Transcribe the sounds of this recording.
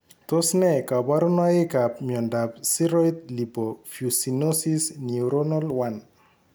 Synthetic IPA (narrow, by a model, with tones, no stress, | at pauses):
t̪o˦snɛ˨ka˨ba˦ɾo˦nɔa˦e˦ka˨p̚mjɔ˨nda˨p̚si˦ɾɔit̪̚li˨bɔfju˨si˨nosi˦sni˨uɾonɔ˦lwan